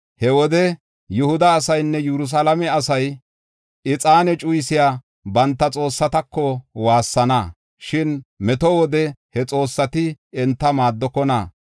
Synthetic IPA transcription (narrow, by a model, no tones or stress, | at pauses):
hɛwɔd̪ɛ | jʊhʊd̪ɐːsɐjnːɛjɛɾʊs̬aːlɐmɛɐsɐj | ɪt͡sʼaːnɛt͡ʃʼʊjsɪjaː | bɐnt̪ːɐt͡sʼo̞ːsːɐt̪ɐkːɔwaːsːɐnɐ | ʃɪnmɛt̪ɔwɔd̪ɛhɛt͡sʼo̞ːsːɐt̪ɪɛnt̪ːɐmaːd̪ːɔkːɔna̰